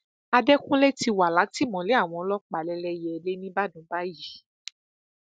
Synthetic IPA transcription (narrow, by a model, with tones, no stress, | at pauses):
a˧dɛ˦kũ˦lɛ˦ti˧wa˨la˨˦ti˦˨mɔ̃˨le˨˦a˦˨w̃ɔ̃˧lɔ˦k͡pa˨lɛ˧lɛ˧jɛ˨le˦nĩ˦ba˦˨dũ˨˦ba˦ji˨˦